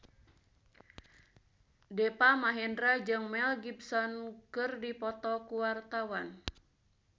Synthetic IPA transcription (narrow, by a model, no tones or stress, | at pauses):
dɛpamaɦɛndɾad͡ʒɨŋmɛlɡipsɔnkɨrdipɔt̪ɔkuwart̪awan